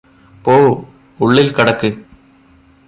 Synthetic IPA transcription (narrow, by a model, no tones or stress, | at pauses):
poː | uɭːilkɐɽɐkːɨ